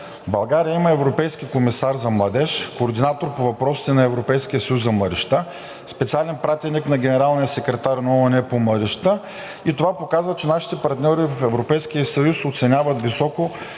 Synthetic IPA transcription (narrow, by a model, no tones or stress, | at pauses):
bɐlˠɡaɾijəimɐɛvɾopɛjskikomisaɾzɐmlˠɐd̪ɛʃkoːɾd̪inat̪oɾpovɐpɾɔsi̥t̪ɛnɐɛvɾopɛjskʲijəsɐjuszɐmlˠɐd̪ɛʃt̪a | spɛt̪sialɛnpɾat̪ɛniknɐɡʲɛnɛɾalˠnijəsɛkɾɛt̪aɾnɐɔɛnɛpomlˠɐd̪ɛʃt̪ə | it̪ovapokazvət͡ʃɛnaʃi̥t̪ɛpɐɾt̪nʲɔɾivɐfɛvɾopɛjsk̟ijəsɐjusot̪sɛnʲavɐt̪visɔko